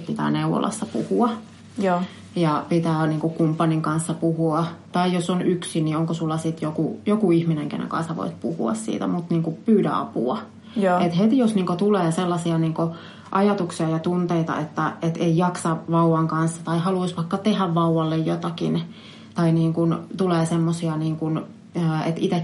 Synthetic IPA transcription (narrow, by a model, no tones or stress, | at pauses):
pit̪æ̰ːneuʋːo̰lɑ̰sːɑpṵhuɑ | jɑpit̪æːniːŋkukumpːɑniŋkɑnsːɑpuhuɑt̪ɑijosonyksinioŋkosulːɑsit̪jokujokuihmineŋkḛnḛŋkɑ̰nsɑʋo̰it̪puhṵɑ̰ssḭːt̪æ̰mut̪niːŋkupyːdæ̰ɑ̰pṵɑ | et̪het̪ijosniːŋkot̪uleːselːɑsiɑniːŋko | ʔɑjɑt̪uksiɑjɑt̪unt̪eit̪ɑ̰ʔet̪ːæet̪eijɑksɑʋɑuwɑŋkɑnsːɑt̪ɑihɑluisʋɑikːɑt̪ehæʋʋɑuwɑlːejjot̪ɑkḭn | t̪ɑiniːŋkunt̪uleːsemːosiɑniːŋkun | əːet̪it̪ek